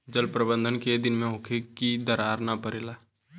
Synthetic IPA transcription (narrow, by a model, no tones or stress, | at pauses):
d͡ʒəlpɾəbə̃nd̪ʱənked̪ɪnmẽɦʊkʰekid̪əɾaːɾnapəɾeːlaː